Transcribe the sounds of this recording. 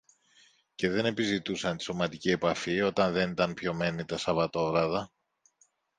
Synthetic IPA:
ce̞ðe̞ne̞pizit̪usɐnt̪i̥so̞mɐt̪icie̞pɐfio̞t̪ɐnðe̞nit̪ɐnpço̞me̞nit̪ɐsɐvɐt̪o̞vɾɐðɐ

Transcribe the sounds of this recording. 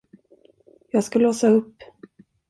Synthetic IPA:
jɑːɡskaloːsaɵpː

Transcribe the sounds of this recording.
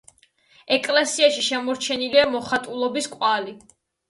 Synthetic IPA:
ɛkʼlɛsiaʃiʃɛmɔɾt͡ʃʰɛniliamɔχat̪ʼulˠɔbiskʼwali

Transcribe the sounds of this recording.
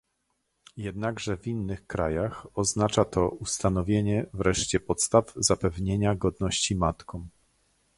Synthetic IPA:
jɛd̪̚naɡʐɛvʲinːɘxkɾajaxɔznat͡ʂat̪ɔust̪anɔvʲjeɲɛvɾɛʂt͡ɕɛpɔt̪st̪avzapɛvɲeɲaɡɔd̪nɔɕt͡ɕimat̪kʰɔ̃w̃

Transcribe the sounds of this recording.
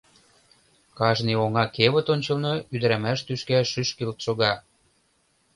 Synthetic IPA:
kɑʒnioŋɑkeβə̆t̪onʲt͡ɕɤ̆lnoyd̪ə̆ɾæmæʃt̪yʃkæʃyʃkilt̪ʃoɣɑ

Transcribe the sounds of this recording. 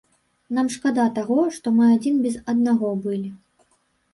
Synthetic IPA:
namʂkad̪at̪aɣɔʂt̪ɔmɨad͡zʲinbʲɛzɐd̪naɣɔbɨlʲi

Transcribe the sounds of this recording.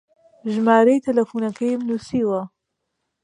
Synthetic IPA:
ʒmaːɾɐjt̪ʰɐlɐfuːnɐkʰɐjmnuːsiːwɐ

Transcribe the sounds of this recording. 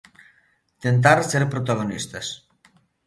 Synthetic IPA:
t̪ent̪̬aɾseɾpɾot̪aɣ̞onist̪as

